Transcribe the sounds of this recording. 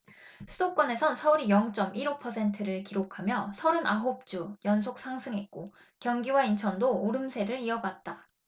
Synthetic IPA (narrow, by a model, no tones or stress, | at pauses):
sʰɯdok͈wʌne̞sʰʌnsʰʌuɾijʌŋt͡ɕ͈ʌmiɾopʰʌsʰe̞ntʰɯɾɯɭkiɾokʰamjʌsʰʌɾɯnʔaɦop̚t͡ɕ͈ujʌnsʰok̚s͈ʰaŋsʰɯŋɦe̞t̚k͈o | kjʌŋɡiwaint͡ɕʰʌndoːɾɯmsʰe̞ɾɯɾiʌɡat̚t͈a